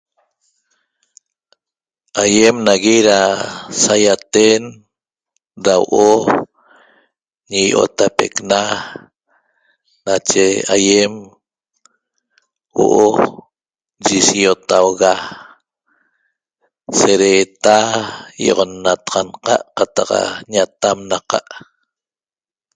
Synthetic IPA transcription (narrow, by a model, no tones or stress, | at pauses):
ajemnaɣiɾasajat̪en | ɾawo̰ʔo | ɲijʔo̰t̪apḛkna | nat͡ʃeajem | wo̰ʔo | d͡ʒisiot̪awɣa | seɾeːt̪ajo̰ʁonːat̪aʁɑnqɑʔqat̪ɑqa̰ɲat̪amnaqɑ̰ʔ